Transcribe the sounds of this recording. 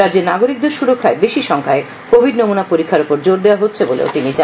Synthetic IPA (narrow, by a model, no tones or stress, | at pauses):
ɾad͡ʑeɾnaɡoɾik̚d̪eɾʃuɾokʰːaebeʃiʃɔŋkʰae | kobʱiɖnomunapoɾikʰːaɾupoɾd͡ʑoɾd̪eoaɦotːɕʰebolḛo̰t̪init͡ɕa